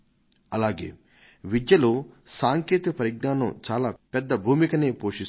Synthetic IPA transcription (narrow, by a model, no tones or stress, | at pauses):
ɐlaːɡḛː | ʋid̪jɐloːsaːŋkeːt̪ɐɐpɐɾiɡ̚naːnɐmt͡ʃaːlaːpɛd̪ːɐbʱuːmikɐneːpoːʂis